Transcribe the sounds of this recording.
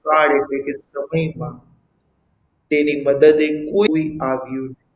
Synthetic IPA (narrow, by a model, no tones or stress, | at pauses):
aːɽeːt̪eːkesəməimãː | t̪ẽːniːməd̪əd̪ekoːiaːʋijũːnː